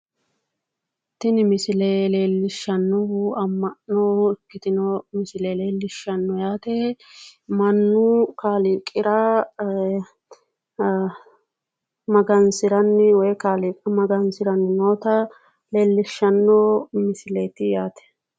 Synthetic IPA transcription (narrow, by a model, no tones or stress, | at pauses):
t̪ːɪnɪmɪsɪlele̞ːlːɪʃːɐnːɔhuɐmːɐnːɔɡɪt̪ɪnɔmɪsɪleleːlːɪʃːɐnːɔjaːt̪ɛ | mɐnːʊkaːlikʼːɪɾɐ | mɐɡɐnsɪɾɐnːɪwɔjkaːlɪkʼɐmɐɡɐnsɪɾɐnːɪnoːt̪ɐ | le̞ːlːɪʃːɐnːɔmɪsɪleːt̪ɪjaːt̪ɛ̥